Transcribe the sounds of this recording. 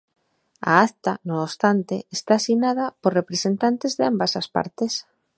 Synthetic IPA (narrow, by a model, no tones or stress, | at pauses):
a̰akt̪anoːst̪ant̪eːst̪aːsiɣnaðapoɾrepɾesent̪ant̪ezðeambasaspa̰ɾt̪es